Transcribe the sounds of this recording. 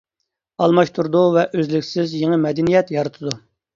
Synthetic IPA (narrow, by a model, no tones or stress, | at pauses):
ɑlˠmɑʃt̪ʰuɾud̪uvɛʔøzlɪkʲsɪzjeŋəmɛd̪ɛnijɛt̪jɑɾɨt̪ʰɨd̪u